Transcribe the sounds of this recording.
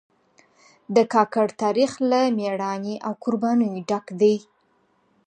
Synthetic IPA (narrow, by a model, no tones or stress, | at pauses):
d̪əkɑkaɽt̪ɑɾixlameɽɑniʔawkʊɾbɑnəjɖakd̪aj